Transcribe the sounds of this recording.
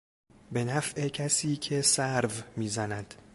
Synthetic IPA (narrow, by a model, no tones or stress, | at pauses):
be̞næfʔe̞cʰæsiːcʰe̞sæɾvmiːzænæd̪̥